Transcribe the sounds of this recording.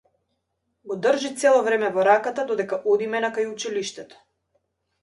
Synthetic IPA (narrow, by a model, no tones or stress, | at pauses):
ɡɔd̪r̩ʒit̪sɛlˠɔvɾɛmɛvɔɾakat̪ad̪ɔd̪ɛkaʔɔd̪imɛnakajut͡ʃiliʃt̪ɛt̪ɔ̥